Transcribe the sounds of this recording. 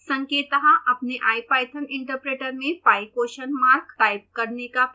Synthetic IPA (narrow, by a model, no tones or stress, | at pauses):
sɐ̃ŋkeːt̪ɐɦaʔɐpneʔaːjpaːjt̪ʰənɪ̃ɳʈəɾpɾeːʈəɾmẽpaːjkoːʃənmaːɾkt̪aːɪb̚kɐɾneka